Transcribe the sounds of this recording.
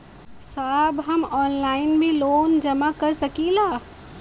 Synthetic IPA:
saːbɦɐmɔːnlaːɪnbʱiloːnd͡ʒɐmakɐɾsɐkĩlaː

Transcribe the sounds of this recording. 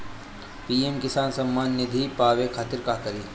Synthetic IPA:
piːemkɪsaːnsɐmːaːnːɪd̪ʱipaːʋekʰaːt̪ɪɾkaːkɐɾiː

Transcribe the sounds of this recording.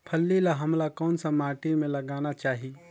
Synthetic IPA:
pʰəlːelaɦəmlakɔːnsə̃maːʈemẽləɡaːnat͡ʃaːɦi

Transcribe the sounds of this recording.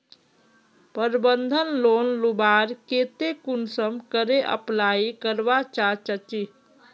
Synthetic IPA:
pəɾbənd̪ʱənloːnlubaɾket̪ekunsəmkəɾeʔə̰plaikəɾbat͡ʃat͡ʃət͡ʃi

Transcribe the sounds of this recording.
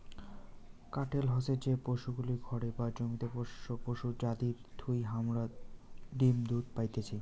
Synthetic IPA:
kaʈelɦɔsed͡ʑepoʃuɡuliɡʱɔɽebad͡ʑoŋit̪epoopoʃud͡ʑad̪iɾd̪ʰʱujɦamɾaɖimd̪ud̪̚pajt̪et͡ɕʰi

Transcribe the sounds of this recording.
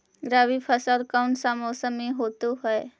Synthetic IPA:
ɡɾaːʋipʰəsaɾkaʊɳʈsamoːsəmːĩɦoːt̪uɦɛe

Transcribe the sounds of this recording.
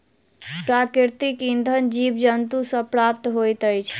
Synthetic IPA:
pɾakɾiɾt̪ikind̪ʱənd͡ʒibd͡ʒənt̪usə̃pɾap̚t̪ɦojt̪əjt͡ʃʰ

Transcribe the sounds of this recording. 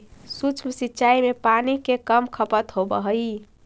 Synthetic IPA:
sut͡ʃʰmsitːt͡ʃaimepanikekəmkʰəpət̪ɦobə̰ɦəi

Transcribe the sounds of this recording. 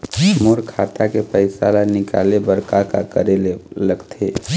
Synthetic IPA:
moɾkʰat̪akepəɪsalanɪka̰lebəɾkakakəɾeleləɡt̪ʰe

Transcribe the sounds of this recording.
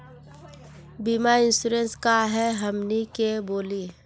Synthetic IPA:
bimaɪ̃nsuɾenskaɦɛɦəmnikeboːliː

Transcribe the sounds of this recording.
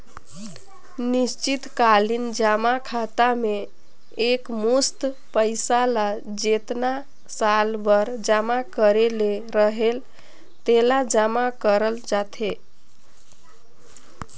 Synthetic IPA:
nist͡ʃit̪kalind͡ʒamakʰat̪ameː | kmust̪ | pəjsala | d͡ʒet̪na | salbəɾd͡ʒamakəɾeleɾəɦel | t̪elad͡ʒamakəɾəld͡ʒat̪ʰe

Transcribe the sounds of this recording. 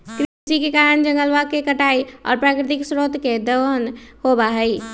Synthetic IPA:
kɾid͡ʒikekaɾənd͡ʒəŋɡəlʋakekəʈaiɔ̰ːɾpɾakɾɪt̪iksɾot̪ked̪əənhobaɦəj

